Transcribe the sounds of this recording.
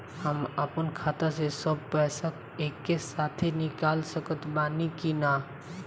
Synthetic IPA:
həməpənkʰaːt̪asesəb̚pɛsak | ekːesaːt̪ʰenikaːlsəkət̪baːnikina

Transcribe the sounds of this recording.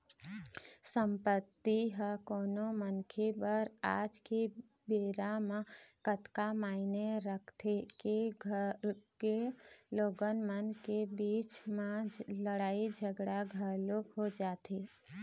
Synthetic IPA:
səmpət̪ːiɦəkoːnomənkʰebəɾa̰ːd͡ʒke | beːɾamãkət̪kamaːineɾəkʰt̪ʰekeɡʱəɾkeloːɡənmənkebiːt͡ʃmãləɽaːid͡ʒʱəɡɽaɡʱəɾlokɦod͡ʒaːt̪ʰeː

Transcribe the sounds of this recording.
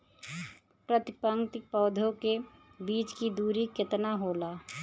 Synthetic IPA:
pɾət̪ɪpəŋt̪ɪpɔːd̪ʱõkebiːt͡ʃkid̪uːɾikɪt̪naɦoːlaː

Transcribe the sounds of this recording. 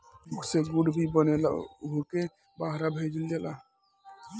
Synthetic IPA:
uɡseɡuɖbʱibənela̰uɦke | baɦɾabʱed͡ʒəld͡ʒɛla

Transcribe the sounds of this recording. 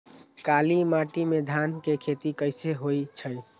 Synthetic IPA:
kalimaʈimed̪ʱankekʰet̪ikəɪseɦojt͡ʃʰəj

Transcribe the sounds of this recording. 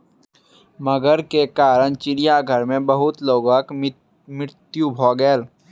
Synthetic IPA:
məɡəɾkekaːɾəɳt͡ʃɪɾijaɡʱəɾmẽbɐɦʊt̪loːɡ̃k | mɪɾt̪jubʱoːɡeːl

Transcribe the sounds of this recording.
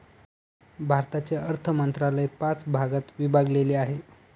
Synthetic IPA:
bʱaɾt̪at͡ɕjaəɾt̪ʰəmənt̪ɾalajpat͡sbʱaɡat̪ʋibʱaɡleleaɦe

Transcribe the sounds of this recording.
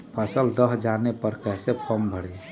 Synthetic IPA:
pʰəsəld̪əɦd͡ʒanepəɾkəɦsepʰəmbʱəɽ

